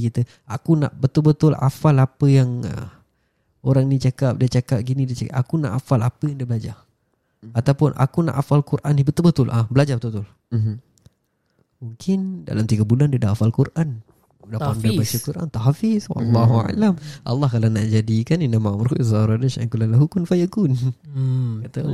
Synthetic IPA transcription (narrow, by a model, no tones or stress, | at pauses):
kit̪ə | akuna̰ʔbət̪ʊlbət̪ʊla̰falapəjaŋ̰ | oɾaŋnit͡ʃakap̚dat͡ʃakap̚ɡinĩdit͡ʃakaʔakuna̰ʔafalapəjaŋdiabəlad͡ʒar | at̪awpʊnʔa̰kuna̰ʔafalkuɾʔanːibət̪ʊlbət̪ʊlʔabəlad͡ʒabət̪ʊbət̪ʊl | muŋkɪnda̰lamt̪iɡabulandadaafalkuɾʔan | dapandajbat͡ʃəkuɾʔa̰nt̪aɦafiswɑ̰lːaɦua̰lamʔɑ̰lːɑhkalanaʔd͡ʒadikaninamaʔmɾuʔzaɾadaʃa̰ŋkulanlaɦukʊnfajakun | kat̪a